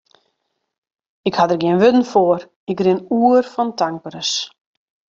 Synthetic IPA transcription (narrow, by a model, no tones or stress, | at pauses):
ɪkhadərɡjɪənʋʏdn̩foəɾ | ɪkrɪnuːərfɔntaŋkəɾəs